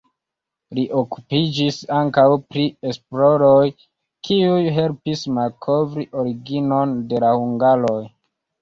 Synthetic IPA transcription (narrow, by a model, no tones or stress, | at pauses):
liʔo̞ku̥pid͡ʒisaŋkawpɾie̞splo̞ɾoj | kʰiujɦe̞lpismalkʰo̞vɾiʔo̞ɾiɡino̞nde̞lahuŋɡalo̞j